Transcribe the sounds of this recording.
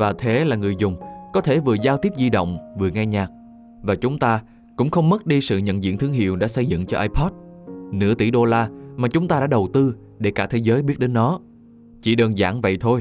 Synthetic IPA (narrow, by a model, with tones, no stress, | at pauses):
vaː˨˩t̪ʰe˨˦laː˨˩ŋɨ˨˩əjzʊ˨˩ŋ͡mkɔ˨˦t̪ʰe˧˩vɨ˨˩əzaː˧wt̪i˦˥p̚zi˧ɗə̰˧˨wŋ͡mvɨ˨˩əŋa˧jɲaː˨˩k̚ | vaː˨˩t͡ɕʊ˨˦ŋ͡mt̪aː˧ | kʊ̰˧˥ŋ͡mxə˧wŋ͡mmə˦˥t̚ɗi˧sɨ̰˧˨ɲə̰˧˨nzḭ˧˨nt̪ʰɨ˧əŋɦḭ˧˨əwɗa̰ː˧˥sə˧jzɨ̰˧˨ŋt͡ɕɔ˧ʔaː˧jpʰɔ˦˥t̚nɨ̰˧˥ət̪i˧˩ɗo˧laː˧maː˨˩t͡ɕʊ˨˦ŋ͡mt̪aː˧ɗa̰ː˧˥ɗə˨˩wt̪ɨ˧ | ɗe˧˩kaː˧˩t̪ʰe˨˦zəː˨˦jɓi˦˥ət̚ɗe˨˦nːɔ˨˦ | t͡ɕi˧˩ɗəː˧nza̰ː˧˩ŋvə̰˧˨jt̪ʰo˧j